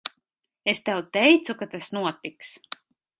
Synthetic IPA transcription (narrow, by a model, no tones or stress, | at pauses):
est̪awt̪ɛjt̪sukat̪asnuɔt̪iks